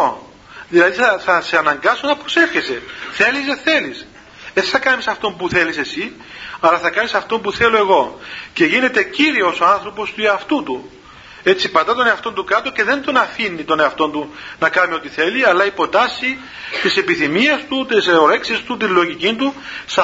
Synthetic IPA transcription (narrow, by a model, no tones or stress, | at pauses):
o | ðilɐðiθɐθɐseɐnɐŋɡɐsonɐpɾo̞se̞fçe̞se̞θe̞liseθe̞lis | esθɐkɐmisɐft̪o̞mpuθe̞lise̞si | ɐlɐθɐkɐnisɐft̪o̞mpuθe̞lo̞e̞ɣo̞ce̞ʝine̞t̪e̞ciɾio̞so̞ɐnθɾo̞po̞st̪ueɐft̪ut̪u | e̞t͡sipɐd̪ɐt̪o̞neɐft̪o̞nt̪ukɐt̪o̞ce̞ðe̞nd̪o̞nɐfinːit̪o̞neɐft̪o̞nt̪unɐkɐmio̞t̪iθe̞liɐlːɐipo̞t̪ɐsi | t̪ise̞piθimiɐst̪ut̪isoɾe̞ksist̪ut̪̬inlo̞ʝicint̪usɐ